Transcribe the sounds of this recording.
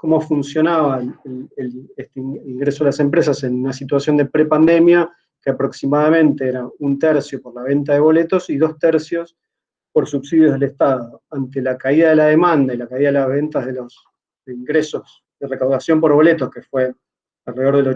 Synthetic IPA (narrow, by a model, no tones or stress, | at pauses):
ko̞mo̞funsjo̞naβalelest̪iŋɡɾeso̞ðelase̞mpɾes̬asenunasit̪wasjo̞nd̪e̞pɾepand̪e̞mja | keapɾo̞ksimaðamẽ̞nt̪eeɾaunt̪ɛɾsjo̞poɾlaβ̞e̞nt̪aðe̞β̞o̞let̪osiðo̞st̪ɛɾsjo̞s | po̞ɾsuβsið̞jo̞ɦðelest̪aðoant̪e̞lakaiðaðelað̞e̞mãnd̪ailakaiðaðelaɦβ̞e̞nt̪aɦðelo̞s | eiŋɡɾeso̞z | ðe̞re̞kawðasjo̞mpoɾβo̞let̪o̞skefwe | alreo̞ɾðeo